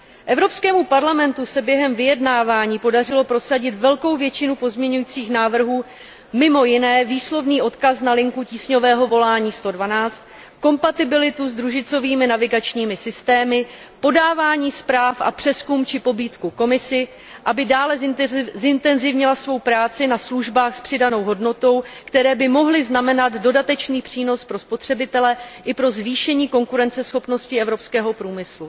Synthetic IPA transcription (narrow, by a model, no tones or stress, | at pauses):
ʔɛvɾo̞pskɛːmupaɾlamɛnt̪usɛbjɛɦɛmvɪjɛdnaːvaːɲiːpo̞dar̝ɪlo̞pɾo̞saɟɪt̪vɛlko̞wvjɛt͡ʃɪnupo̞zmɲɛɲujiːt͡siːxnaːvr̩ɦuː | mɪmo̞jɪnɛːviːslo̞vniːʔo̞t̪kasnalɪŋkuciːsɲo̞vɛːɦo̞vo̞laːɲiːst̪o̞dvanaːt͡st̪ | ko̞mpat̪ɪbɪlɪt̪uzd̪ɾuʒɪt͡so̞viːmɪnavɪɡat͡ʃɲiːmɪsɪst̪ɛːmɪ | po̞daːvaːɲiːspɾaːfʔa̰pr̥ɛskumt͡ʃɪpo̞biːt̪kuko̞mɪsɪ | ʔabɪdaːlɛzzɪnt̪ɛnzɪvɲɪlasvo̞wpɾaːt͡sɪnasluʒbaːxspr̥ɪdano̞wɦo̞dno̞t̪o̞wkt̪ɛɾɛːbɪmo̞ɦlɪznamɛnad̪do̞dat̪ɛt͡ʃniːpr̝̥iːno̞spɾo̞spo̞t̪r̥ɛbɪt̪ɛlɛʔɪpɾo̞zviːʃɛɲiːko̞ŋkuɾɛnt͡sɛsxo̞pno̞scɪɛvɾo̞pskɛːɦo̞pɾuːmɪslu